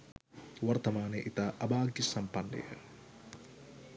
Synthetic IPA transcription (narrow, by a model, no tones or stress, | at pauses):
ʋɐɾt̪ɐmaːneʔit̪aʔɐbaːɡjɐsɐmpɐnːɐ̰jɐ̰